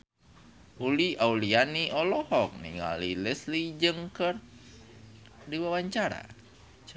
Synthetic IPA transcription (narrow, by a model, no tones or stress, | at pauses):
uliaulianiʔɔlɔhɔk̚nḭŋa̰lilɛslid͡ʒɨŋkər | diwawaɲt͡ʃaɾa̰